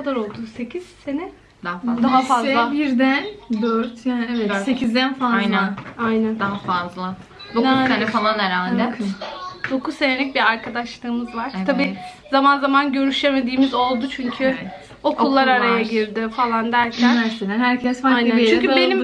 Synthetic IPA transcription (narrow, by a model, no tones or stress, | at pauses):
kad̪aɾo̞lˠd̪use̞cʰiz̥se̞nɛ | d̪aɦafd̪aɦafazlˠabiɾd̪ænd̪øɾt̪ʰjaːnɛvɛsecʰizd̪ænfalˠajnænajnænd̪aɦafazlˠa | d̪ouaenɛfalˠanɛɾaːld̪ʰ | d̪̥o̞kuzse̞nelʲic̚biɾaɾkʰad̪aʃlˠɯːmɯzvaɾ̥ʰabiːzamanzamanɟø̞ɾyʃe̞me̞d̪iːmizo̞lˠd̪ut͡ʃʰyɲcʰy | o̞kʰulˠːaɾaɾajaɟiɾd̪ɪfalˠand̪æɾcʰææsed̪ænhæɾcʰɛsfant͡ʃyɲcʰyybenim